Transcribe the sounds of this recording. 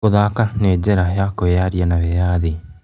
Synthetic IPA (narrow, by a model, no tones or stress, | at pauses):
oðakaned͡ʑɛɾajakojaɾjanaβɛjaðe